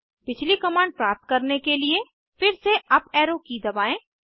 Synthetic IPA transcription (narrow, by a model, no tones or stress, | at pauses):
pɪt͡ʃlikɐmaːɳɖ̚pɾaːp̚t̪̚kɐɾnekelie | fɪɾseɐpɛːɾokid̪ɐbaːẽː